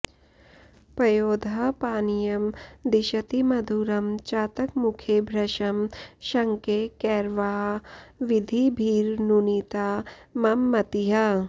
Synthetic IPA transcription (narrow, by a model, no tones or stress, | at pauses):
pɾɐjoːd̪ʱɐpaːnijɐmd̪iʃɐt̪imɐd̪ʱuːɾɐmt͡ʃaːt̪ɐkmukʰebʱɾɐʃɐmʃɐŋkekɛːɾʋaːɦʋid̪ʱibʱiːɾnuniːt̪aːmɐmːɐt̪iɦɐ